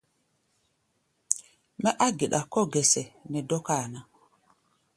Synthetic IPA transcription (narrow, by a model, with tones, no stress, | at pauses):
mɛ˦ʔa˦ɡi˨ɗa˨kɔ˦ɡɛ˨sɛ˨nɛ˨dɔ˦ka˦˨na˨